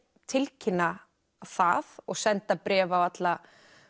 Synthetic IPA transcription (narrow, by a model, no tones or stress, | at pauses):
t̪ʰɪlcʰɪnːa | θaðɔɣsɛnt̪apɾɛːvawat̪la